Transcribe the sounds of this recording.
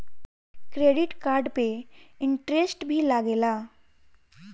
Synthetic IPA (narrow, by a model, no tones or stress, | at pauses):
kɾeɖiʈkaɾɖpeɪɳʈɾesʈbʱiːlaɡela